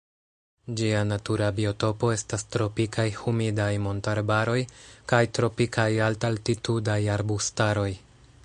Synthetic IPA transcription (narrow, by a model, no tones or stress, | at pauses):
d͡ʒianatuɾabio̞to̞po̞e̞stastɾo̞pikʰajhumidajmo̞ntaɾbaɾo̞jkajtɾo̞pikʰajaltaltitudajaɾbustaɾo̞j